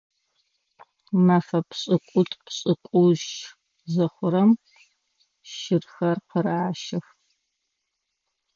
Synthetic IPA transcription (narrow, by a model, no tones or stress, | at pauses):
mafɐpɕʼɨqʷʼʊtʼpɕʼɨkʷʼuʒ | zɐχʷʊɾɐm | ʃɪrxɐrqəɾaʕaʃɪx